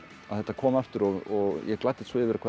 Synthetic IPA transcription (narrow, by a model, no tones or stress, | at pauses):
aðθɛht̪ːakʰɔːmɛft̪ʏɾɔɣɔɣjɛklajt̪ːɪ̥t̪svɪvɛɾakʰva